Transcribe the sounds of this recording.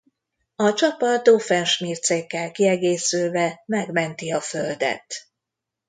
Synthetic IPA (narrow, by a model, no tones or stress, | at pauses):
ɒt͡ʃɒpɒd̪ofɛnʃmiːrt̪seːkːɛlkiɛɡeːsylvɛmɛɡmɛnt̪iɒføld̪ɛ̰t̪